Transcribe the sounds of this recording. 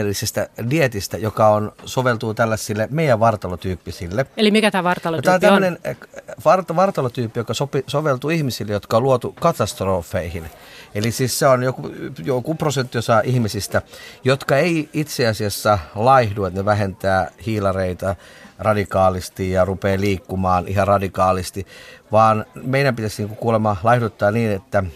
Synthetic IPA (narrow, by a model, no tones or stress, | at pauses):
elːisest̪ædiet̪ist̪æjokɑonsoʋelt̪ut̪ælːæsːilːemeijæʋʋɑrt̪ɑlot̪yːpːisilːeelimikæt̪æːʋɑrt̪ɑlojt̪æːont̪æmːønenʋɑrt̪ɑʋɑrt̪ɑlot̪yːpːijokɑsopisoʋelt̪uihmisilːejot̪kɑoluot̪ukɑt̪ɑst̪roːfːeihin | elisiːsseonjokujokuprosent̪ːiosɑːʔihmisist̪æjot̪kɑeiit̪seɑsiɑsːɑlɑihduet̪neʋæhent̪æːhiːlɑreit̪ɑrɑdikɑːlist̪ijjɑrupeːliːkːumɑːnihɑrɑdikɑːlist̪iʋɑːnmeijæmpit̪æsniːŋkukuːlemɑlɑihdut̪ːɑːniːnet̪ːæ